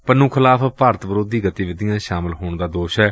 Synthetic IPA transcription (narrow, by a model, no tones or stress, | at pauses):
pənũːkʰɪlaːpʰpaːɾət̪ʋəɾoːd̪iːɡət̪iʋɪd̪ɪjãːʃaːməlɦoːɳd̪aːd̪oːʃɦɛː